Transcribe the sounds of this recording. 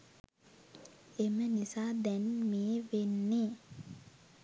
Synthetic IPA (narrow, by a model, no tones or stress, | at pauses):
emenisad̪ɛnmieʋenːe